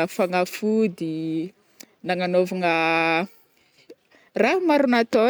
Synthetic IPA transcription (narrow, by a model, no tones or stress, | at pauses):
afaŋafud̪i | naŋanovaŋa | raɦmaɾunat̪o